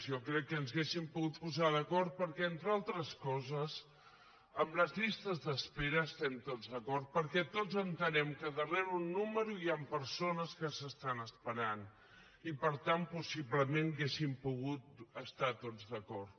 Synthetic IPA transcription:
sɔkɾɛkːənzɣesimpuɣut̪̚puzaðəkɔɾt̪̚pəɾkɛent̪ɾalˠt̪ɾəskɔzəz | əmləzʎist̪əzðəspeɾəːst̪ɛmt̪od͡zðəkɔɾt̪̚pəɾkɛt̪ozənt̪ənɛmkəðərɛɾunːuməɾuiampəɾsonəskəsəst̪anəspəɾan | ipəɾt̪ampusiβləmenɣesimpuɣut̪̚əst̪at̪od͡zðəkɔɾt̪

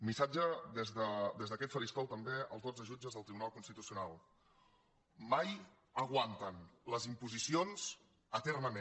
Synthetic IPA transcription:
misad͡ʒəðɛzðəd̪ezðəkɛt̪fəɾist̪ɔwt̪əmbeə̰lˠzðod͡zəʒud͡ʒəzðəlˠt̪ɾiβunalˠkunst̪it̪usiunalˠ | maj | əɣwant̪ənləzimpuzisionz̥ | ət̪ɛrnəmẽ

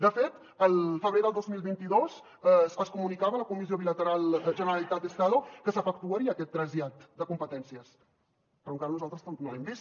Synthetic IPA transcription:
d̪əfet̪ | əlˠfəβɾeðəlˠd̪ozmilˠβint̪iðoz | əsəskumunikaβələkumizijoβilət̪əɾalˠʒənəɾəlit̪at̪əst̪aðukəsəfəkt̪uəɾiəːkɛt̪ːɾəziat̪d̪əkumpət̪ɛnsiəs | pəɾuŋkaɾənuzalˠt̪ɾəsonoɛmbis

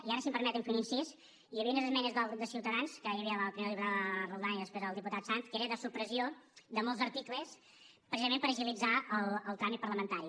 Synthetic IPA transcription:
iaɾəsimpəɾmɛt̪əɱfuninsis | ijəβiəunəzəzmɛnəzðalˠt̪ɾud̪əsiwt̪əðanskəjəβiəəpɾimeɾlʎiβɾaðərəwd̪anəiðəspɾezəlˠd̪iput̪at̪sant̪keɾəðəsupɾəziod̪əmɔlˠzəɾt̪ikləs | pɾəsizəmẽmpəɾəʒilid͡zaəlˠəlˠk̪ambipəɾləmənt̪aɾi

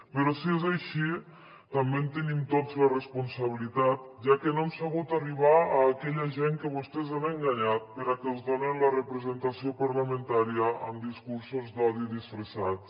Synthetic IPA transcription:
pəɾɔsiezajʃi | t̪ambemt̪ənimt̪ozlərespunsaβ̞ilit̪at̪̚ʒakənoemsaɣ̞ut̪ariβ̞aaːkɛʎəʒeŋkəβust̪ɛzanəŋɡaɲat̪̚pəɾakəlˠzðonenlərəpɾəzənt̪asiopaɾləment̪aɾiəːmd̪iskuɾsuzd̪ɔðiðisfɾəsat̪

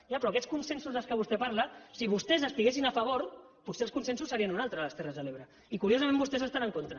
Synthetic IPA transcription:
japɾɔɐkɛt͡sskunsensuzəlˠskəβust̪ɛpaɾləsiβ̞ust̪ɛzəst̪iɣesinaəfəβ̞oɾ | puseəlskunsens̬usːəɾiənunalˠt̪ɾəːləst̪ɛrəzðəleβɾə | ikuɾiozəmẽmbust̪ɛzəst̪anəŋkont̪ɾə

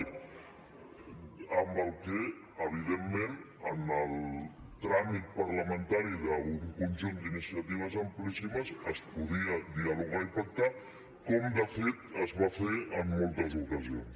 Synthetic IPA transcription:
əmbəlˠke | əβ̞iðemːen | ənəlˠt̪ɾamit̪̚pəɾləmənt̪aɾiðəuŋkunʲʒund̪inisiət̪iβ̞əzəmplisiməzəspuðiəd̪iəluɣaipək̚t̪a | kɔmd̪əfet̪əzβafeəmːɔlˠt̪əzukəzions

